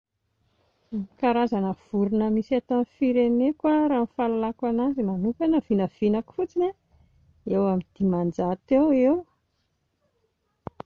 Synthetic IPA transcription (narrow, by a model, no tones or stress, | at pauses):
kaɾazanəv̥uɾunəmisat̪anfiɾenekwaɾaːnfalalakanazimanukanəv̥inəv̥inaki̥fut͡sinʲa | ewamid̪̥imand͡ʒat̪ewew